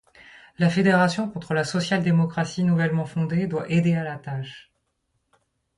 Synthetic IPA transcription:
lafed̪eʁasjɔ̃kɔ̃t̪χəlasɔsjald̪emɔkχasinuvɛlmɑ̃fɔ̃d̪ed̪waʔed̪ealat̪aʃ

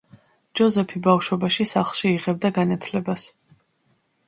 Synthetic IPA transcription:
d͡ʒɔzɛpʰibafʃwɔbaʃisaχlˠʃiiʁɛb̚d̪aɡanat̪ʰlɛbas

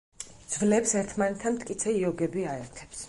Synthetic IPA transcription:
d̪z̥vlɛpsɛɾt̪ʰmanɛt̪ʰːamt̪ʼkʼit̪sʰɛiɔɡɛbiaɛɾt̪ʰɛ̥ps

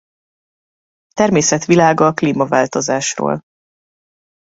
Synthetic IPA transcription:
t̪ɛrmeːsɛt̪ʋilaːɡɒkliːmɒvaːlt̪o̞zaːʃro̰ːl

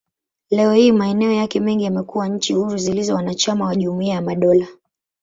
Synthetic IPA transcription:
lɛɔhimaɛnɛɔjakɛmɛŋɡijamɛkuwaɲ̩t͡ʃihuɾuzilizɔwanat͡ʃamawaʄumuiajamaɗɔla

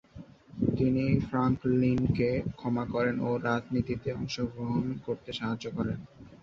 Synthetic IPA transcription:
t̪inifɾaŋklinkekʰɔmakɔɾenoɾad͡ʑnit̪it̪eɔŋʃoɡɾoɦonkoɾt̪eʃaɦad͡ʑːokɔɾen

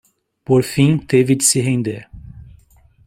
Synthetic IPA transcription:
poɾfĩt̪evɪd͡ʒɪsɪɦẽnd̪eɾ

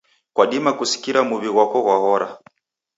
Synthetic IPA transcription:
kwaɗimakusi̥kiɾamuβiɣwakɔɣwahɔɾa̰

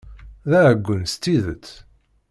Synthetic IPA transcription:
ðæəɡʷːənst̪ːiðət͡sː

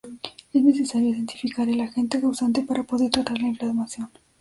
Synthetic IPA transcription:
eznesesaɾjoiðent̪ifikaɾelaxent̪eɣawsant̪epaɾapoðeɾt̪ɾat̪aɾlaĩɱflaɾmaθjon

